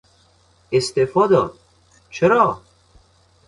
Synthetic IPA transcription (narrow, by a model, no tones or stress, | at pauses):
est̪efɒːd̪ɒːd̪ | t͡ʃʰeɾɒː